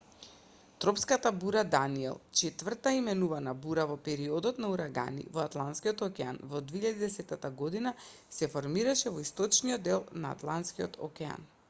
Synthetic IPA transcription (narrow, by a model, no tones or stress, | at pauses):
t̪ɾɔpskat̪abuɾad̪aniɛ̰lˠt͡ʃɛt̪vr̩t̪aimɛnuvanabuɾavɔpɛɾiɔd̪ɔt̪nauɾaɡa̰nḭvɔat̪lˠant̪skiɔt̪ɔkɛanvɔd̪viiʎad̪id̪ɛsɛt̪ːat̪aɡɔd̪ina | sɛfɔɾmiɾaʃɛvɔist̪ɔt͡ʃniɔd̪ːɛlˠnaa̰t̪lˠant̪skiɔt̪ʰɔ̰kɛa̰n